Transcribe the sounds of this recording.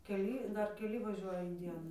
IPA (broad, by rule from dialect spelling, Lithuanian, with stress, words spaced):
kʲɛˈlʲiː ˈdɐr kʲɛˈlʲɪ ʋɐˈʒʲuɔjɛ ɪn ˈdʲiɛnʊ